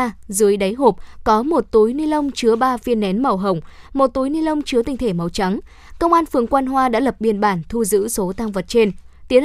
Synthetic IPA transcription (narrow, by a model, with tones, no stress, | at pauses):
zɨ˨˦əjɗa˨˦jɦo˨˩p̚kɔ˨˦mo˨˩t̚t̪u˨˦jni˧lə˧wŋ͡mt͡ɕɨ˨˦əɓaː˧vi˧ənːɛ˨˦nmə˨˩wɦə˨˩wŋ͡mmo˨˩t̚t̪u˨˦jni˧lə˧wŋ͡mt͡ɕɨ˨˦ət̪ï˨˩ŋ̟t̪ʰe˧˩mə˨˩wt͡ɕa˨˦ŋ | kə˧wŋ͡mʔaː˧nfɨ˨˩əŋkwaː˧nɦwaː˧ɗa̰ː˧˥lə˨˩p̚ɓi˧˩ənɓaː˧˩nt̪ʰu˧zɨ̰˧˥so˨˦t̪aː˧ŋvə˨˩t̚t͡ɕe˧n | t̪i˨˦ən